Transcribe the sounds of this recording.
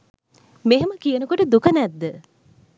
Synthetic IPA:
meɦeməkijənəkoʈəd̪ukənæd̪ːə

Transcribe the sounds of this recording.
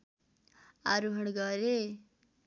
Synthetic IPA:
aɾuɦʌɽɡʌɾe

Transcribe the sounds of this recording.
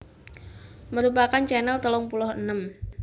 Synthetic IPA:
məɾupakant͡ʃɛnəlt̪əlʊŋpulʊhənəm

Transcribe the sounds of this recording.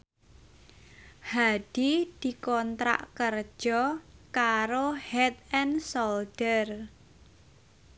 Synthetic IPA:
had̪̥id̪̥i̤kɔnt̪ɾa̰ʔkər̥ʒ̥ɔkaɾohɛt̪ɛnsold̥ər

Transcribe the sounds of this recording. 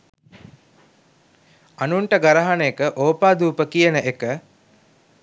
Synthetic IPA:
anuɳʈəɡaɾɐɦanəekəʔoːpaːd̪uːpəkijənəʔekə

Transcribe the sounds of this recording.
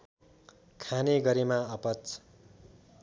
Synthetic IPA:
kʰaneɡʌɾemaʌpʌt͡s

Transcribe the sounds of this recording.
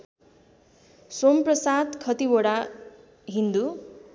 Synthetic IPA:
somprʌsad̪kʰʌt̪iboɽa | ɦind̪u

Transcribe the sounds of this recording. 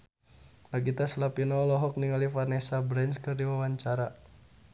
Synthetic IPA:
laɡit̪aslapinɔlɔɦɔk̚niŋalifarnɛsabɾɛnt͡ʃkɨrdiwawaɲt͡ʃaɾa

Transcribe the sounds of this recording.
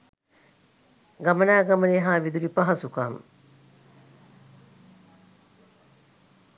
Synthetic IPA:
ɡamənaːɡaməneɦaːʋid̪uɾipaɦasukam

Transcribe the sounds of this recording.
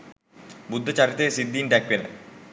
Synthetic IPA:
bud̪ʱːɐt͡ɕɐɾit̪ːesid̪ːinɖakʋinḛ

